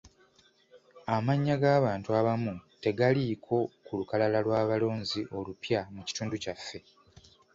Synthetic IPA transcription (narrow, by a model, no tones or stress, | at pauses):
amaɲːaɡaːβaːntuaβamute̞ɡalikʰo̞kulukalalalwaːβalo̞ːɲziʔo̞lupjamuci̥tuːnducafːe̞